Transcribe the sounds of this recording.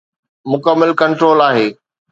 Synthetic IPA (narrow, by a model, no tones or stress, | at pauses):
mʊkəmːəlkɐ̃ɳʈɾoːlaːɦeː